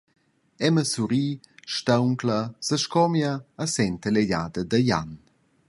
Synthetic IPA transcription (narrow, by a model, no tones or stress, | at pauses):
ɛməsuɾiːʃtawŋklasəʃkɔmjaːsɛnt̪əleʎaːd̪əd̪əja̰n